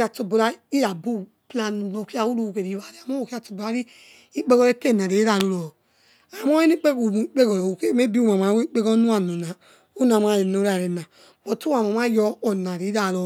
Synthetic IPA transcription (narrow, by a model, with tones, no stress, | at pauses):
a˧˨to˧bo˧ɾa˧˦i˦ɾa˨bu˦ | pla˧nu˨no˨ki˦a˧˨wu˦ɾu˧u˧˨ke˨ɾi˨˧wa˨ɾi˨a˨mɔ˦˨ki˦a˧˨to˧bo˨a˨˦ɾi˦ | i˦k͡pe˦ɡɔ˧ɾe˧˦te˦˨na˨ɾe˨i˦ɾa˨ɾo˧ɾɔ˨ | a˨mɔ˦e˦ni˦k͡pe˦ko˨m˨˦i˦k͡pe˦ɡɔ˨ɾu˨ke˦me˦bi˦u˦˨ma˨m˨a˨˦e˦k͡pe˦ɡɔ˦nu˦a˦˨no˨na˨ | u˦na˨ma˨ɾe˨no˨ɾa˨ɾe˨nã˨ | mo˨tu˦a˨ma˨m˦a˦jɔ˧˨na˨ɾi˨˦ɾa˨ɾo˨